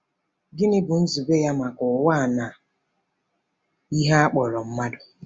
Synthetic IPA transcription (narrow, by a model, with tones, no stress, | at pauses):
ɡɪ˦nɪ˦bʊ˨n̩˦zu˨be˦ja˦ma˨kʊ˨wa˦˨na˨ | i˦ɦa˦a˦k͡pɔ˨ɾɔ˨m̩˦ma˦dʊ˨